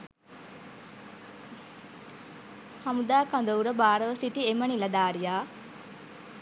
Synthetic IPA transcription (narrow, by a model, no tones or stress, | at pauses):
hɐmud̪aːkand̪əuɾəbaːɾəʋəsiʈiemɐnilɐd̪aːɾijaː